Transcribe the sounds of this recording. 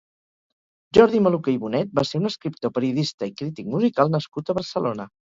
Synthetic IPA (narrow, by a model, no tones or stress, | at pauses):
ʒɔɾðiməlukejβunɛt̪̚baseɾunəskɾip̚t̪opəɾiuðist̪əikɾit̪ik̚muzikalˠnəskut̪əβərsəlonə